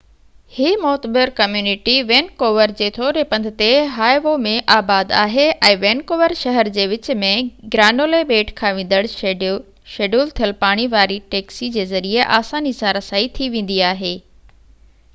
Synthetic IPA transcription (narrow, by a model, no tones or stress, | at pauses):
hiːmɔːt̪bɪɾkɐmjuːnɪʈiʋeːnkoːʋəɾd͡ʑeːt̪ʰoːɾepɐ̃nd̪ʱɪ̆t̪eɦaːjʋomẽʔaːbaːd̪aːɦeʔɛ̃ːʋeːnkoːʋəɾʃɐɦəɾd͡ʑeːʋɪt͡ɕ̆mẽɡɾaːnoːleɓeːʈkʰãːʋẽːn̆d̪əɽ | ʃeːɖuːlt̪ʰiəlpaːɽ̃iʋaːɾiʈeːksid͡ʑeːzɐɾieʔaːsaːnisãɾɐsaːit̪ʰiʋẽːn̆d̪iaːɦeː